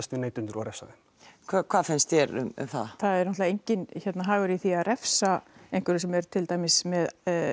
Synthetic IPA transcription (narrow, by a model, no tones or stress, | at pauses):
st̪ɪneːjt̪ʏnt̪ɪɾawɾɛfsa̰ðɪm | kʰakʰvaːðfɪnst̪jɛɾʏ̰mʏ̰mθa̰ðθaðɛɾnɔt̪laejɲcɪnçɛt̪naɦaːɣʏɾiθiaðɾɛfsaejŋkɛɾɪsɛmɛɾ̥t̪ʰɪlt̪aːjmɪsmɛð